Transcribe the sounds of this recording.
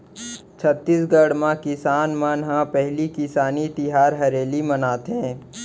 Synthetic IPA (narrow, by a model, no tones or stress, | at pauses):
t͡ʃʰət̪ːisɡəɽmãkɪsaːnmənɦãpɛɦlikɪsaːnit̪ɪɦaːɾɦɐɾeːlimɐnaːt̪ɦɛ̃ː